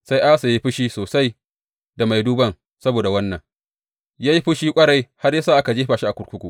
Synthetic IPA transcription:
sa˦jʔa˦sa˨ji˦ɸɪ˦ʃiː˦soː˨sa˦j | da˨ma˨jduː˦bɐ˦ŋ | sɐ˦boː˨da˨wɐ˦nːɐ˨ŋ | jaː˦ji˦ɸʊ˦ʃiː˦kʷʼɐ˦ɽa˦jha˦rja˦saː˦˨ʔa˦ka˨d͡ʒeː˦ɸaː˨ʃi˦a˨kʷʊ˦ɾkʷʊ˦kʷṵ˨ʔ

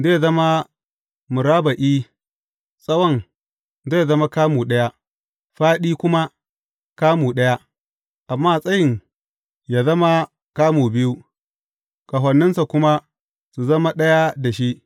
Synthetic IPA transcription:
zeː˦zɐ˦ma˦ | mʊ˨ɾaː˦ba˨ʔiː˦ | sʼɐ˦wɐ˦˨ŋ | zeː˦˨zɐ˦ma˦kaː˦muː˨ɗɐ˦ja˦ | ɸaː˦ɗiː˦kʷʊ˦ma˦ | kaː˦muː˨ɗɐ˦ja˦ | ʔa˨mːaː˦˨sʼɐ˦jɪ˨ŋ | ja˨zɐ˦ma˦ | kaː˦muː˨bɪ˦ju˦ | ka˨ɦɐ˨nːɪ˦nsa˨kʷʊ˦ma˦ | su˨zɐ˦ma˦ɗɐ˦ja˦da˨ʃi˦ʔ

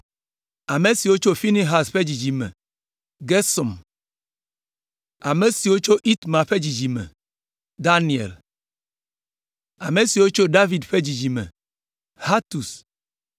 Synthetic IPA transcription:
a˨me˨si˨wo˦t͡ʃo˦fi˦ni˦ɦa˨sɸe˦d͡ʑi˨d͡ʒi˨mɛ̰˨ | ɡe˦sɔ˨m | a˨me˨si˨wo˦t͡ʃo˦ʔi˦t̪mã˨ɸe˦d͡ʑi˨d͡ʒi˨mɛ̰˨ | d̪a˦ni˨ḛ˨l | a˨me˨si˨wo˦t͡ʃo˦ɖa˦vi˨dɸe˦d͡ʑi˨d͡ʒi˨mɛ̰˨ | ha˦t̪u˨s

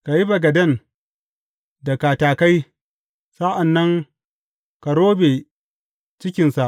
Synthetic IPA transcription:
ka˨ji˦bɐ˨ɡɐ˨dɐ˦˨n | dɐ˨kaː˨taː˨ka˦j | sa˦ʔa˨nːɐ˦ŋ | ka˨ɽoː˦beː˨ | t͡ʃɪ˦kʲɪ˨nsa˨ʔ

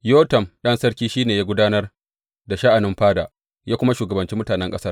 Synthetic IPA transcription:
joː˦tɐ˨mɗɐ˦nsɐ˦ɽkʲiː˦ʃiː˦neː˨jaː˦ɡʷʊ˦daː˦nɐ˦r | da˨ʃa˦ʔa˨nɪ˦mɸaː˦da̰ː˨ | jaː˦kʷʊ˦ma˦ʃuː˨ɡɐ˨bɐ˨nt͡ʃi˦mʊ˦taː˨nɛ˦ŋkʼɐ˦sɐ˦r

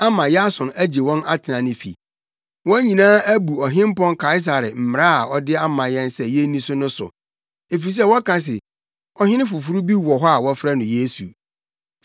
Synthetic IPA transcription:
a˦mã˨jɛ˦a˦sʊ̃˨næ˦d͡ʑe˨wɔ̃˦na˦tʰɪ˨nã˨nɪ̃˨fḭ˨ | wɔ̃˦ɲĩ˨nãː˦æ˦bu˨ɔ˨ɦɪ̃˦m˦pɔ̃˦ŋkʰa˦ɪ˦s̬a˨ɾɪ˨m̩˨m˨ɾa˦a˨ɔ˦dɪ˦a˦mã˨jɛ̃˦nsɛ˨jɛ˦nĩ˦sʊ˦nʊ̃˦sʊ̰˨ | e˨fi˨s̬ɛ˦wɔ˦kã˨s̬ɪ˨ | ɔ˦hɪ̃˦nɪ̃˦fʊ˨fu˦ɾu˦bi˦wɔ˨ɦɔ˦a˨wɔ˦fɾa˦nʊ̃˨je˦sṵ˨

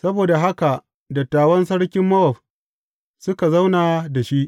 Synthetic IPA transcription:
sɐ˦boː˨da˨ɦa˦ka˨ | dɐ˨tːaː˨wɐ˦nsɐ˦ɽkʲɪ˦mːɐ˦ʔɔ˨ɸ | sʊ˦ka˨za˦wnaː˨da˨ʃi˦ʔ

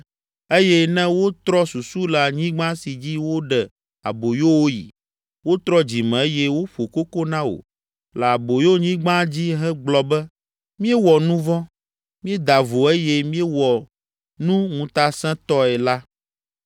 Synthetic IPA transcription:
e˦jɛ˦nɛ̃˦wo˦t̪ɾɔ˦su˨su˦la˨ɲĩ˦ɡ͡bã˦si˨d͡ʑi˦wo˦ɖɛ˨ | a̰˨bo˨jo˦wo˦jḭ˨ | wo˦t̪ɾɔ˦d͡ʑi˨mɛ̃˨e˦jɛ˦wo˦ɸo˨ko˦ko˦nã˦o̰˨ | lɛ˨a˨bo˨jo˦ɲĩ˦ɡ͡bã˦d͡ʑi˦ɦɛ˦ɡ͡blɔ˨bɛ˦ | mĩ˦ɛ˦wɔ˨nũ˦vɔ̃˦ | mĩ˦ɛ˦d̪a˨vo˨e˦jɛ˦mĩ˦ɛ˦wɔ˨ | nũ˦ŋũ˨t̪a˦sɛ̃˦t̪ɔ˦ɛ˨la˦

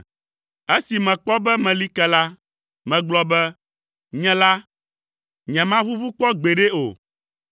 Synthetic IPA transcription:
e˦si˨mɛ̃˨k͡pɔ˦bɛ˦mɛ̃˨li˦kɛ˦la˦ | mɛ̃˨ɡ͡blɔ˦bɛ˦ | ɲɛ̃˨˦la˦ | ɲɛ̃˨mã˦βu˦vu˦k͡pɔ˦ɡ͡be˨ɖe˦o̰˨

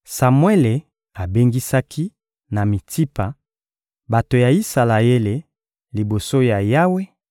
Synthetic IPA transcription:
sa˨mwe˦le˨ | a˨be˦ŋɡi˦sa˦kʰi˦ | na˨mi˨tʰi˦pa˨ | ba˨to˨ja˨i˦sa˨la˨e˦le˨ | li˨bo˨so˦ja˨ja˦we˦

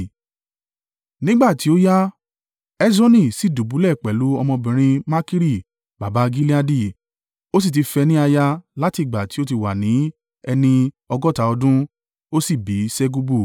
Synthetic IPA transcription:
nĩ˦ɡ͡ba˦˨ti˨˦o˦ja˦ | ɛ˦d͡ʒɔ̃˦nĩ˦˨si˦˨du˨bu˨˦lɛ˦˨k͡pɛ˨lu˨˦ɔ˧mɔ̃˧bĩ˨ɾ̃ĩ˧ma˦ki˦ɾi˦˨ | ba˨ba˨˦˧ɡi˦li˦a˧di˦˨ | o˦s̬i˦˨t̬i˧fɛ˧nĩ˦a˧ja˧la˦ti˦˨ɡ͡ba˨ti˨˦o˦t̬i˧wa˨nĩ˨˦ | ɛ˧nĩ˧ | ɔ˧ɡɔ˦ta˧ɔ˧dũ˦ | o˦si˦˨bi˨˦sɛ˦ɡu˧bu˦˨

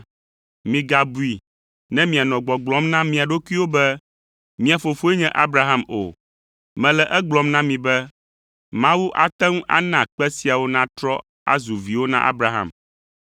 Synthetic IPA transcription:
mĩ˨ɡa˨bu˦i˨ | nɛ̃˦mĩ˨a˨nɔ̃˨ɡ͡bɔ˨ɡ͡blɔ̃˦mnã˦mĩ˨a˨ɖo˦kʷi˦wo˦bɛ˦ | mĩ˨a˨fo˨fo˦ɛ˦ɲɛ̃˦ʔa˦bɾa˨ɦa˦mo̰˨ | mɛ̃˨lɛ˨ʔɛ˦ɡ͡blɔ˦mnã˦mĩ˨bɛ˦ | mã˦wu˦ʔa˨t̪ɛ˦ŋũ˦ʔa̰˦nã˨k͡pɛ˦si˦a˨wo˦nã˦t̪ɾɔ˦ | a̰˦zu˨vi˨wo˦nã̰˦ʔa̰˦bɾa˨ɦã̰˦˨m

